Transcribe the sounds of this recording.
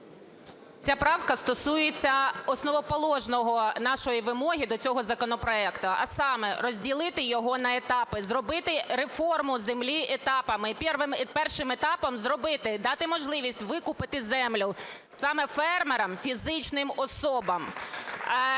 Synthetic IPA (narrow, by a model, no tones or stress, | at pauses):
t͡sʲapɾɑwkɐst̪ɔsujet͡sʲːɐɔsnɔʋɔpɔlˠɔʒnɔɦɔnɑʃɔjiʋɪmɔɦʲid̪ɔt͡sʲɔɦɔzɐkɔnɔpɾɔɛkt̪ʊʔɐ̰sɑmɛrɔzʲdʲilˠɪt̪ɪjɔɦɔnɐet̪ɑpɪzrɔbɪt̪ɪɾefɔrmʊzemlʲiʔet̪ɑpɐmɪpʲɛrʋɪmpɛrʃɪmet̪ɑpɐmzrɔbɪt̪ɪd̪ɑt̪ɪmɔʒlˠɪʋʲisʲtʲʋɪkʊpɪt̪ɪzɛmlʲʊ | sɑmɛfɛrmeɾɐmfʲizɪt͡ʃnɪmɔsɔbɐm